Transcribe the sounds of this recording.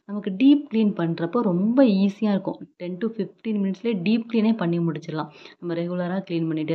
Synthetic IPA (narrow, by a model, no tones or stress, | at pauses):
nɐmɐkːɯɖiːp̚kliːnpɐɳːɾɐpːoːɾɔmbɐiːsɪjaːɪɾɯkːʊ̰̃ʈɛnʈufɪfʈiːnmɪnɪʈsɪleːɖiːp̚kliːneːpɐɳːimʊɽɪt͡ʃːɪɾɐlãːnnɐmːɐɾɛɣʊlɐɾaːkliːnpɐɳːɪʈːɯ